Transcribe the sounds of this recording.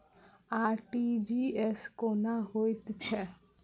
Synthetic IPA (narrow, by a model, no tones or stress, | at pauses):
aːɾʈid͡ʒiɛskonaɦoit̪t͡ʃʰɛ